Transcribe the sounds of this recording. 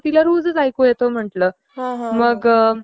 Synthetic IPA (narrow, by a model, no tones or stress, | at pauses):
t̪ilaɾuːd͡zət͡sajkojet̪om̤əʈləː | ɦãɦməɡ